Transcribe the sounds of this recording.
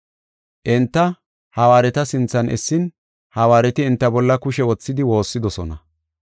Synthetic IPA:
ʔɪnt̪ːɐ | hɐwaːɾɛt̪ɐsɪnt͡sːɐnʔɛsːɪn | hɐwaːɾɛt̪ɪːnt̪ːɐbɔlːɐkʊʃɛwɔt͡sːɪd̪ɪwo̞ːsːɪd̪ɔsɔ̰nɐ̰

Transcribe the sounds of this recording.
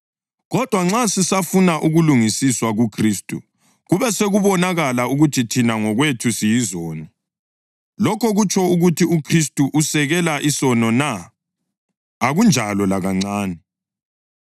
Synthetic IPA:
ɣɔd̥ʱwaŋ͡ǁasisafunaʔuɣuluŋisiswaɣukʰriːstʼṵ | ɣuβɛseɣuβɔnaɣalauɣutʰitʰinaŋɔɣwetʰusijizɔːnɔ | lɔkʰɔɣut͡ʃʰʼɔuɣutʰiukʰristʼuʔusɛɣɛlaʔisɔnɔna | aɣund͡ʒʱalɔlaɣaŋ͡ǀaːnɛ

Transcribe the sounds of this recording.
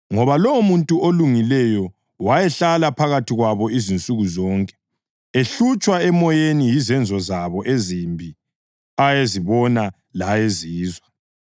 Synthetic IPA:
ŋɔβalomuntʼuʔoluŋilɛjɔ | wajɛɬalapʰaɣatʰiɣwaβɔizint͡sʼuɣuzɔːŋkʼɛ̥ | eɬut͡ʃʼwaɛmɔjenijizɛnd͡zʱɔzaβɔʔezimbʱi | ajeziβɔna | lajeziːzwa

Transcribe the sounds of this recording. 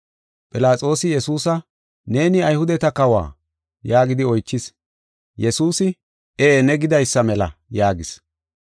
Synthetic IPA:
pʼɪlaːt͡sʼo̞ːsɪjɛsuːsɐ | ne̞ːnɪɐjhʊd̪ɛt̪ɐkɐwa̰ː | jaːɡɪd̪ɪɔjt͡ʃːɪs | jɛsuːsɪ | enɛɡɪd̪ɐjsːɐmɛlɐ̰jaːɡɪs

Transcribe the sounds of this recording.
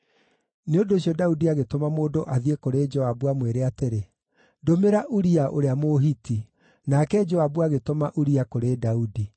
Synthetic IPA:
neondoːɕjɔdaudiaɣetomamoːdoʔaðiekoɾeːd͡ʒɔabwamweɾeateɾe | domeɾaʔuɾiaʔo̰ɾeamoɦiti | nakɛd͡ʒɔabuaɣetomaʔuɾiakoɾeːdaudi

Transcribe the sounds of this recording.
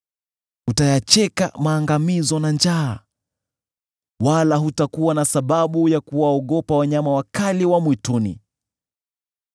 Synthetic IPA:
hutajat͡ʃɛka̰maːŋɡamizɔnand͡ʒaː | walaɦutakuwanasaɓaɓujakuwaɔɠɔpawaɲamawakaliwamwitunḭ

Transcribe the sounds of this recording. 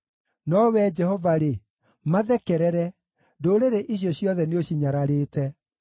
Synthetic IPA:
nɔwɛd͡ʒɛhɔvaɾe | maðɛkɛɾɛɾɛ | doɾeɾeʔiɕ̬jɔɕjɔðɛneoɕiɲaɾaɾeːtɛ

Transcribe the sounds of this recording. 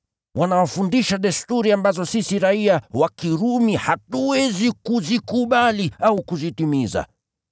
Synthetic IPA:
wanawafundiʃaɗɛstuɾiambazɔsisiɾaiawakiɾumihatuwɛzikuzikuɓaliaukuzitimiza̰

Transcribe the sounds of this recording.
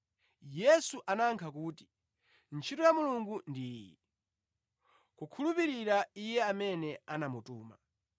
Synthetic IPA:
jɛsuʔanaŋkʰak̬uːti̥ | nt͡ʃʰitɔjamuluŋɡundiːjḭ | kukʰulupiɾiɾaijɛamɛnɛanamutuːma̰

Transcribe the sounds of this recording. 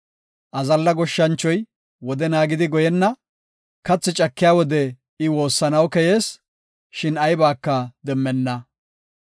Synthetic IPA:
ʔɐzɐlːɐɡɔʃːɐnt͡ʃːɔj | wɔd̪ɛnaːɡɪd̪ɪɡɔjɛnːɐ | kɐt͡sːɪt͡ʃʼɐkːɪjaːwɔd̪ɛ | ɪwo̞ːsːɐnɐwkɛjeːs | ʃɪnɐjbaːkːɐd̪ɛmːɛnːɐ

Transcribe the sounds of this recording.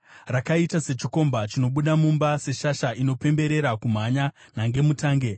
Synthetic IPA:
rakaitase̞t͡ʃiko̞mbat͡ʃino̞ɓuɗamumbase̞ʃaʃaino̞pe̞mbe̞ɾe̞ɾakum̤aɲa | naŋɡe̞mutaːŋɡe̞

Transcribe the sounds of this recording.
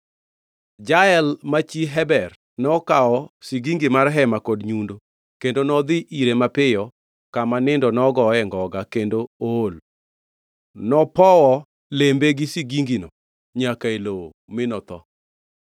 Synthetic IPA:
d͡ʒaɛlmat͡ʃiɦɛbɛr | nɔkaɔsiɡiŋɡimarɦɛmakodɲundo | kendonɔd̪ɪʔiɾemapɪjɔ | kamanɪndɔnɔɡɔɛŋɡɔɡakendool | nɔpɔwɔ | lembeɡisiɡiŋɡinɔ | ɲakaelo | mɪnɔt̪ɔ

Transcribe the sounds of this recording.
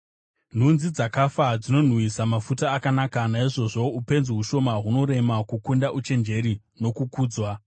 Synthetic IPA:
n̤unzid͡zakafad͡zino̞n̤wisamafutaːkanakanaiʐo̞ʐo̞upe̞nzeɦuʃo̞maɦuno̞ɾe̞makukundaʔut͡ʃe̞nd͡ʒe̞ɾi | no̞kukuːd͡zwa

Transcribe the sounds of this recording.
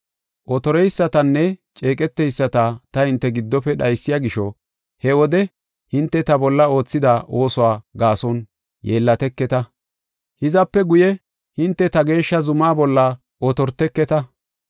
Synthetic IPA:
ʔɔt̪ɔɾɛjsːɐt̪ɐnːɛt͡ʃʼe̞ːkʼɛt̪ːɛjsːɐt̪ɐt̪ɐhɪnt̪ːɛɡɪd̪ːɔpɛɗɐjsːɪjaɡɪʃɔ | hɛwɔd̪ɛ | hɪnt̪ːɛt̪ɐbɔlːɐo̞ːt͡sːɪd̪aʔo̞ːsʊwaːɡaːsɔn | jeːlːɐt̪ɛkːɛt̪ɐ | hɪzɐpːɛɡʊjɛ | hɪnt̪ːɛt̪ɐɡe̞ːʃːɐzʊmaːbɔlːɐ | ʔɔt̪ɔɾt̪ɛkːɛt̪ɐ

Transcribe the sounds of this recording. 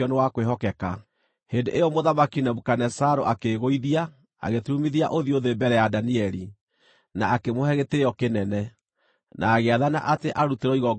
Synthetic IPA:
ɔnewakweɦɔkɛka | hendeʔejɔmoðamakinɛβukanɛsaɾo̰ʔakeɣoiðia | a̰ɣetumiðia̰ʔoðioðebɛɾɛjadaniɛɾi | naːkemohɛɣeteɔkenɛnɛ | nʔaːɣeaðana̰ʔateʔaɾuteɾɔiɣɔ

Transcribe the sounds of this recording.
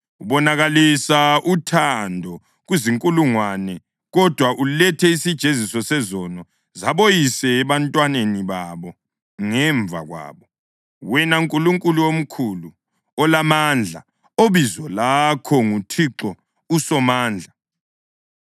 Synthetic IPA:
uβɔnaɣalisaʔutʰandʱɔ | ɣwuziŋkʼuluŋwanɛ | ɣɔd̥ʱwaʔulɛtʰɛisid̥ʒ̥ʱezisɔsɛzɔnɔ | zaβojisɛːβantʼwaneniβaβɔ | ŋɛɱb̪vʱa̰ɣwa̰ːβɔ | wɛnauŋkʼuluŋkʼuluwom̩kʰulu | ɔlamand͡ɮʱa | oβizɔlakʰɔŋutʰiǁɔ | usɔmaːnd͡ɮʱa

